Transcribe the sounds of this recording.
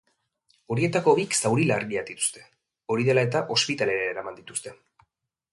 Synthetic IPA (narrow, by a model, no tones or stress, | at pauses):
o̞ɾie̞t̪ako̞βiksawɾilaɾɣiad̪it̪u̥st̪e̞̥ | o̞ɾið̞e̞lae̞t̪aʔo̞spit̪ale̞ɾaeɾamand̪it̪u̥st̪e̞